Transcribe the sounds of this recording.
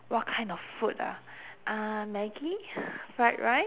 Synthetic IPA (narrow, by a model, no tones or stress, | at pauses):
wɔt̚kʰãɪ̃ndɔffuta̰ʔamɛɡifaɪt̚ɹaɪt̚